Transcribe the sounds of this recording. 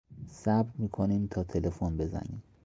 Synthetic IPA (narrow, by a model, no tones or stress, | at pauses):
sæbt̪miːkʰoniːmt̪ʰɒːt̪ʰelefonbe̞zæ̰nḭːm